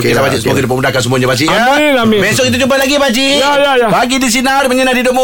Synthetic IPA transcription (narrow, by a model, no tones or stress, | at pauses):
kt̪abad͡ʒiʔsəmut̪udip̬amundakansəmuaɲabad͡ʒiʔanamibɛsɔkit̪̬ut͡ʃumpalaɡibad͡ʒijajajabaɡidis̬inarməɲənadidoʔ̚mo